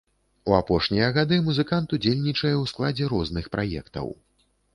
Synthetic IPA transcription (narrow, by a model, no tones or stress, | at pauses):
uapɔʂnʲijɐɣad̪ɨmuzɨkant̪ud͡zʲelʲnʲit͡ʂɐjɛwsklˠad͡zʲɛɾɔznɨxpɾʔajɛ̰kt̪ɐ̰w